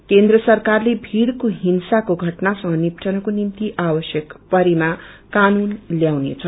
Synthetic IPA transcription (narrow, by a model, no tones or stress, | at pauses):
kend̪rʌsʌrkarlebʱiɽkoɦinsakoɡʱʌʈnasʌŋʌnipʈʰʌnakonimt̪iʔabʌsjʌkpʌɾimakanunljawnḛt͡sʰʌ